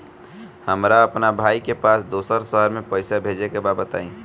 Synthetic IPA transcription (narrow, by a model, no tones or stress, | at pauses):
həmɾaɐpnabʱaːikepaːsd̪oːsəɾsəɦəɾmẽpəɪsabʱeːd͡ʒekebaːbət̪a̰ːĩː